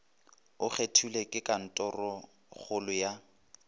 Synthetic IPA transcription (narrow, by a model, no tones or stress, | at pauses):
ʊχetʰulekʼɪkʼan̩tʼɔrɔ | χʰʊlʊja